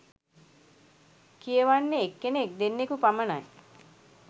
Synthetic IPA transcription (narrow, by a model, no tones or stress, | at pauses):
kijəʋanːeːkːenek̚d̪enːekupamənaj